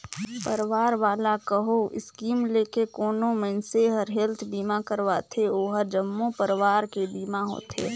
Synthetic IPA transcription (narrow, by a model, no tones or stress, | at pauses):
pəɾʋaːɾʋaːlakəɦoʔɪ̰skiːmleːkekoːnomə̃nseɦəɾɦelt̪ʰbiːmakəɾʋat̪ʰeoːɦəɾd͡ʒəmːõpəɾʋaːɾkebiːmaɦo̰ːt̪ʰḛː